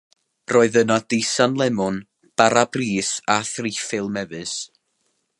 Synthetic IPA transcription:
roːɨðənɔd̥ɪjsanlˠɛmʊn | b̥aɾabriːsaθrɪfɪlˠmɛvɨs

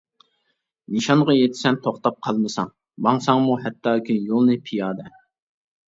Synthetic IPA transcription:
nɨʃɑɴʁɑjet̪ʰɪ̥sɛnt̪ʰoχt̪ɑp̚qʰɑlˠmɨsɑŋ | bɑŋsɑŋmuhɛt̪ʰːɑːkʲʰynjolˠnɨpʰijɑːd̪ɛ

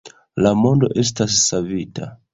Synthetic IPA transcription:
lamo̞ndo̞̰ʔe̞s̬tasːavita̰

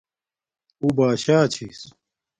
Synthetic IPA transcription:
ubaːɕaːt͡ɕʰis

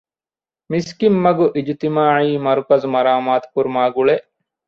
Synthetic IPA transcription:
miskimːɐɡuʔid͡ʒut̪imaːiːmɐɾukɐzmɐɾaːmaːt̪kuɾmaːɡuɭeʔ

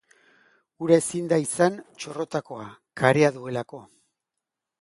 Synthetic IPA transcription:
ɡuɾaesind̪aisant͡ʃo̞ro̞t̪ako̞akaɾe̞aðue̞lako̞

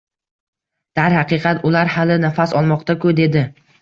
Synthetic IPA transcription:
d̪̥aɾhaqɨqʰɑt̪ʰʊlaɾhalɪnafasɒlˠmɒqt̪ʰakʰʊd̪e̞d̪ɪ

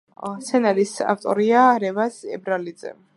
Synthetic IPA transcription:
sʰɛnaɾisa̰ft̪ʼɔɾiaɾɛvasɛ̰bɾalid̪zɛ̰

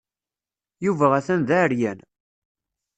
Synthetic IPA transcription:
juvæʁæθænðæɾjæn

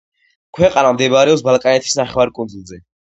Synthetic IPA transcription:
kʰwɛqʼanamd̪ɛbaɾɛɔps̬balˠkʼanɛt̪ʰi̥snaχɛwaɾkʼund̪zulˠzɛ

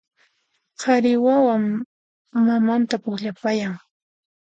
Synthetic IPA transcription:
qʰɑɾɪwawaŋ | mamant̪apʊxʎapajaŋ

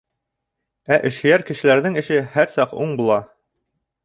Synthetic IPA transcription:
æʔɘ̆ʃɘ̆jæɾkɘ̆ʃɘ̆læɾðɘŋɘ̆ʃɘhæɾsɑquɴbulˠɑ

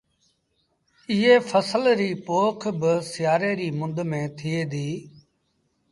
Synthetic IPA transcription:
ɪɦeːfʰəsəlɾiːpoːkʰbɪsɪjaːɾeːɾiːmʊnd̪mẽːt̪ʰɪeːd̪iː

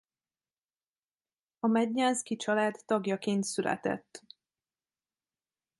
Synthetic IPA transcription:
ɒmɛɟɲaːnskit͡ʃɒlaːd̪ːɒɡjɒkeːnt̪sylɛ̰t̪ɛ̰t̪ː

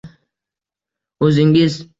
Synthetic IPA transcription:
ɵzɪŋɡʲɪz

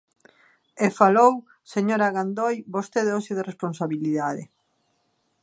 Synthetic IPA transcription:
efalow | seɲoɾaɣand̪ojbost̪eðeoʃeðeresponsaβiliðaðe

